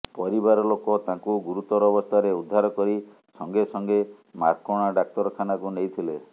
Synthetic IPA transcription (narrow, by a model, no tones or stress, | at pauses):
pɔɾibaɾɔlokɔt̪ãŋkuɡuɾut̪ɔɾɔbɔst̪ʰaɾeud̪ʱːaɾɔkɔɾi | sɔŋɡesɔŋɡe | ma̰ɾkɔɽ̃aɖak̚t̪ɔɾɔkʰanakunejt̪ʰile